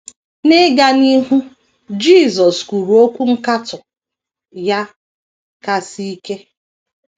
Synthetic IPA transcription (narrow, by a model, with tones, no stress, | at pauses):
nɪ˦ɡa˦ni˦ɦu˦ | d͡ʒi˦˨zɔ˨sku˨ɾu˨o˦kʷu˦ŋ̩˦ka˦tʊ˨ | ja˦ | ka˦si˦i˦ke˦